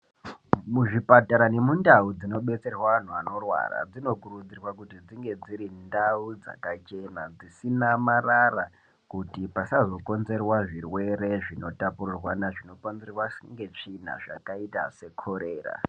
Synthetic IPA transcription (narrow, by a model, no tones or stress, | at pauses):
muʐipataɾane̞mundaud͡zino̞ɓe̞t͡se̞rwaʋan̤uano̞rwa̰ra̰d͡zino̞kuɾud͡zirwakutid͡ziŋɡe̞d͡ziɾindaud͡za̰kat͡ʃe̞nad͡zisinamarara | kutipasazo̞ko̞nze̞rwaʐirwe̞ɾe̞ʐino̞tapururwanaʐino̞konzerwasŋɡe̞t͡ʂin̤a̰ʐa̰kaitase̞kʰoɾeːra̰